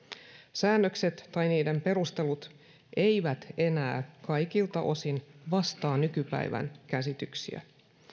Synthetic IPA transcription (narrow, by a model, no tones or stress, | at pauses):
sæːnːøkset̪ːɑjniːde̞mpe̞ɾust̪e̞lut̪ | ʔe̞jʋæt̪e̞næːkɑjkilt̪ɑʔo̞sinʋɑst̪ɑːnykypæ̰jʋæ̰nkæsit̪yksḭæ̰